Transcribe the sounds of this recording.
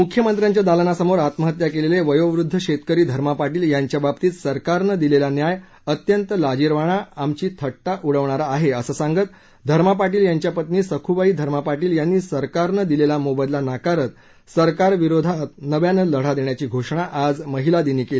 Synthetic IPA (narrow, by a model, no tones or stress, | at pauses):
mukʰjəmənt̪ɾjaɲt͡ɕjad̪alənasəmoɾat̪məɦət̪jakeleleʋəjoʋɾud̪ʱːəɕet̪kəɾiːd̪ʱəɾmapaʈiːljaɲt͡ɕjababt̪iːt̪səɾkaɾnəd̪ilelanjaj | ət̪jənt̪əlad͡ʑiɾʋaɽ̃aamt͡ɕiːt̪ʰəʈʈaʔuɽəʋɳ̃aɾaːɦeəsəːsãŋɡət̪̚ | d̪ʱəɾmap̬aʈ̬iːljaɲt͡ɕjapət̪niːsəkʰuʋaiːd̪ʱəɾmapaʈiːljanːiːsəɾkaɾɳəd̪ilelamobəd̪lanakaɾət̪ | səɾkaɾʋiɾod̪ʱat̪nəʋjanələɽ̤ad̪eɳjat͡ɕiːɡʱoʂɳaʔad͡zməɦilad̪iniːkeli